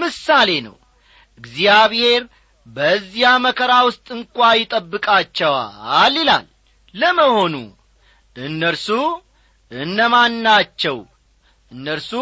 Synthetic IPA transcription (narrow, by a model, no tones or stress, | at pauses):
mɨsale̞nə̰w | ʔɨɡzijaβhe̞ɾ | bəzːjaməkʰəɾawʊst̪ʼɨŋkʷʼajɪt̪ʼəbːɨkʼat͡ʃːɛwa̰lːila̰lː | əməho̞nṵ | ɨnːəlsu | ʔɨnːəmanːat͡ʃːɛw | ʔɨnːəlsu